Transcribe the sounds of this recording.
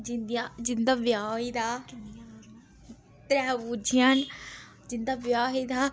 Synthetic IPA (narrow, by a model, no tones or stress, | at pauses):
d͡ʒɪnd̪jad͡ʒɪnd̪aːʋjaːoiːd̪aː | t̪ɾɛːʋud͡ʒijaːn | d͡ʒɪnd̪aːʋjaːɦiːd̪aː